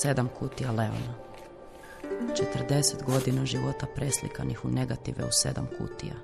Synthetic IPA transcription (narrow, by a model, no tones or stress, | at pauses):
se̞d̪amkut̪ijale̞o̰na | t͡ʃe̞t̪ər̩d̪e̞set̪ɡo̞d̪inaʒiʋo̞t̪apɾe̞slḭkanixune̞ɡat̪iʋḛuse̞̰d̪amkʰṵt̪ḭja̰